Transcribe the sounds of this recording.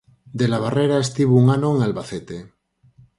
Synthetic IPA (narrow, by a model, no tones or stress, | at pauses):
d̪elaβ̞areɾaest̪iβuuŋanoeŋalβaθet̪e